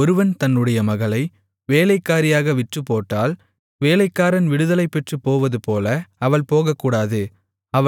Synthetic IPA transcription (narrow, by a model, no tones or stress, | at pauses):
ɔɾɯʋɐnt̪ɐnːɯɽɐjɐmɐɣɐlɐɪ | ʋeːlɐɪkːaːɾɪjaːɣɐʋɪʈrɯpːoːʈːaːl | ʋeːlɐɪkːaːɾɐnʋɪɽɯðɐlɐɪpːɛʈrɯpoːʋɐðɯpoːlɐɐʋɐɭpoːɣɐkːuːɽaːðɯ | ɐʋ